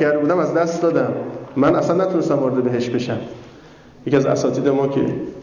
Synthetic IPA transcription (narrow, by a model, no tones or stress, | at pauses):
æɾd̪ebuːd̪æmæzd̪æst̪d̪ɒːd̪æmːænʔæsænːæt̪ʰunest̪æmvɒːɾed̪ebeɦe̞ʃtbe̞ʃæm | jeciæzæ̰sɒːt̪ʰiːd̪emɒːcʰḛ